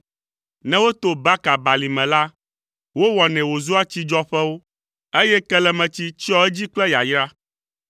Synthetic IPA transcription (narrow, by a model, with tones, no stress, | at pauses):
nɛ̃˦wo˦t̪o˦ba˦ka˨ba˨li˨mɛ̃˨la˦ | wo˦wɔ˨nɛ̃˨wo˨zu˦a˦t͡ɕi˦d͡ʒɔ˦ɸɛ˦wo˦ | e˦jɛ˦kɛ˦lɛ˨mɛ̃˨t͡ɕi˦t͡ɕi˦ɔ˦ɛ˦d͡ʑi˦k͡plɛ˦ja˨jɾa˦